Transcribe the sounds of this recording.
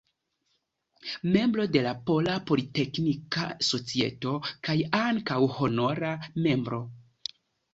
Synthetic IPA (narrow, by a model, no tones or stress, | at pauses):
me̞mbɾo̞de̞lapo̞lapo̞lite̞knikaso̞t͡sie̞̰to̞kajaŋkawho̞no̞ɾame̞mbɾo̞